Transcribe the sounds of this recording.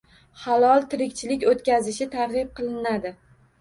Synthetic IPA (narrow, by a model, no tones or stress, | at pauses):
halˠɒlˠt̪ʰɪɾɪkʲt͡ʃʰɪlɪkʲot̪kʲazɪʃɪt̪ʰaɾʁɪb̚qʰɨlˠɪnad̪ɪ